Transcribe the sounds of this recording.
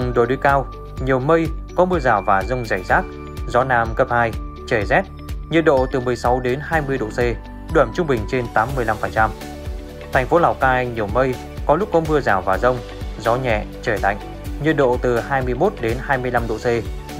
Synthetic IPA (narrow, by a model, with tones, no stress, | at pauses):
ŋ͡mɗo̰˨˧˨jɗo˨˦jkaː˧w | ɲi˨˩əwmə˧jkɔ˨˦mɨ˧əzaː˧˩wvaː˨˩zə˧wŋ͡mza˧˩jzaː˦˥k̚ | zɔ˨˦naː˧mkəː˦˥p̚haː˧j | t͡ɕəː˧˩zɛ˦˥t̚ | ɲi˧ən̚ɗo̰˧˨t̪ɨ˨˩mɨ˨˩əjsa˨˦wɗe˨˦nɦaː˧jmɨ˧əjɗo̰˧˨se˧ | ɗwə˧˩mt͡ɕʊ˧ŋ͡mɓï˨˩ŋ̟t͡ɕe˧nt̪aː˨˦mːɨ˨˩əjla˧mfə˨˩nt͡ɕa˧m | t̪ʰɛ˨˩ŋ̟fo˨˦laː˨˩wkaː˧jɲi˨˩əwmə˧j | kɔ˨˦lʊ˦˥k͡p̚kːɔ˨˦mɨ˧əzaː˧˩wvaː˨˩zə˧wŋ͡m | zɔ˨˦ɲɛ̰˧˨t͡ɕəː˧˩la̰˧˨jŋ̟ | ɲɨ˧n̚ɗo̰˧˨t̪ɨ˨˩haː˧jmɨ˧əjmo˦˥t̚ɗe˨˦nhaː˧jmɨ˧əjla˧mɗo̰˧˨se˧